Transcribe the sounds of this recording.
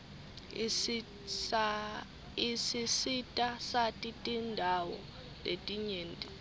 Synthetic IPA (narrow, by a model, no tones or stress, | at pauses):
isisitʼasatʼitʼindʱawɔ̰ | letʼiɲeːntʼi